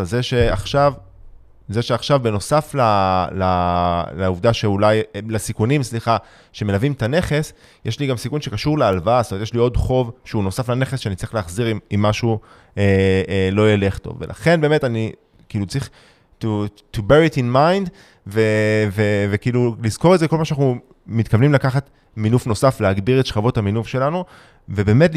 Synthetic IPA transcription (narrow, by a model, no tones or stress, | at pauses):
valzeʃe̞aχʃav | ze̞ʃeaχʃavbe̞no̞saflalalauvd̪aʃe̞ulajlasikunimsliχa | ʃe̞me̞lavimtane̞χe̞s | jʔeʃliɡamsikunʃe̞kaʃuʁlealvaastomet̪jeʃlio̞dχo̞vʃeuno̞saflane̞χesʃeanit͡saʁiχleːχziʁimimːaʃu | elo̞jele̞χto̞̰vvḛlʔa̰χe̞nbeːme̞tani | kiilut͡sʁiχ | tu | tubeʁiitinmajnd | vevevekiilulizko̞ʁetzeko̞lmaʃanaχnu | mit̪kavnimlakaχat | minufno̞safleaɡbiʁetʃχavo̞thaminufʃe̞lanu | ve̞be̞ːme̞t̬l